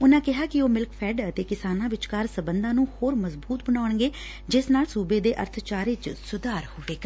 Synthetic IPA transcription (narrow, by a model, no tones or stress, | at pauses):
ʊnãːkɪɦaːkɪoːmɪlkpʰɛːɖət̪eːkɪsaːnãːʋɪt͡ʃkaɾsəbənd̪ãːnũːhoːɾməzbuːt̪bəɽaːʊɳɡeː | d͡ʒɪsnaːlsuːbeːd̪eːʔə̰ɾt̪ʰt͡ʃaːɾeːt͡ʃsʊd̪aːɾhoːʋeːɡa